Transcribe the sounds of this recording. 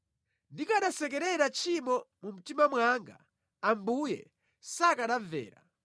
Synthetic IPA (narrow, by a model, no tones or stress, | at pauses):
ndikaɗasɛk̬ɛɾɛɾat͡ʃʰimɔmum̩timamwaŋɡa̰ | ambujɛ̰ | sakaɗavɛ̰ːɾa̰